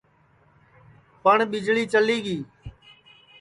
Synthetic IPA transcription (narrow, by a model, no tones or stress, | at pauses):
pəɳɓɪd͡ʒɭiːt͡ʃəliːɡiː